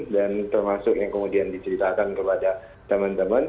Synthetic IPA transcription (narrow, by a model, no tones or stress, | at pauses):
dant̪ərmasʊkjaŋkəmudiandit͡ʃəɾit̪akankəpada | t̪əmant̪əman